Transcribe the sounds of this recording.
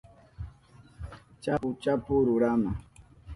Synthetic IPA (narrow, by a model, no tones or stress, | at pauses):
t͡ʃaput͡ʃapuɾʊɾama